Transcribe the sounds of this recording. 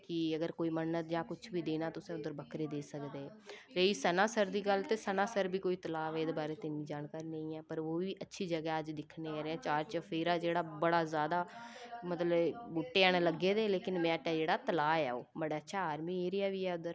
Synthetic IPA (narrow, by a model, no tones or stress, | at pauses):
kɪəɡəɾkoːiːmənːət̪d͡ʒãːkʊt͡ʃʰbʱiːd̪eːnaːt̪ʊsẽʊd̪əɾbəkɾeːd̪eːsəkd̪eːɾeːiːsənãːsəɾd̪iːɡəlt̪eːsənãːsəɾbiːkoːiːt̪əlaːʋɛːeːd̪eːbaːɾeːt̪ɪnːĩːd͡ʒaːnkaːɾiːnə̃ĩːɛːpəɾʋoːʋiːʔətːʃʰiːd͡ʒəɡɛːəd͡ʒd̪ɪkʰneːɾeɛ̃ːt͡ʃaːɾt͡ʃəfʰeːɾaːd͡ʒeːɽaːbəɽaːzjaːd̪aːmət̪ləbʊʈːeːɛːɽ̃eːləɡːeːd̪eːleːkɪnmɛ̃ːʈːɛːd͡ʒeːɽaːt̪əlaːɛ̰ːoːbəɽaːətːʃʰaːaːɾmiːeːɾiaːʋiːɛːʊd̪əɾ